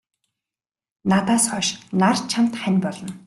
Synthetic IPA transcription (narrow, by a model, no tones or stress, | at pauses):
nat̪aːsχɔʃnart͡ɕʰam̥t̪χænʲpɔɮɞ̆n